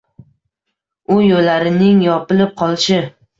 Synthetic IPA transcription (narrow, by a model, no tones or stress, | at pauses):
ʊjolːaɾɪnɪŋjɒpɪlɪp̚qʰɒlˠʃɪ